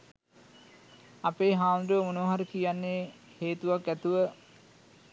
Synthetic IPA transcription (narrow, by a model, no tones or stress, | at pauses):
apeːɦaːnɾuʋəmunoːɦaɾəkijanːeː | heːt̪uʋakːæt̪uʋə